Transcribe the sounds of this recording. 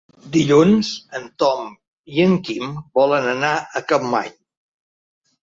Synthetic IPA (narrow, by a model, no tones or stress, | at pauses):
d̪iʎunzənt̪ɔm | iəŋkimbɔlənənaəkəmːa̰ɲ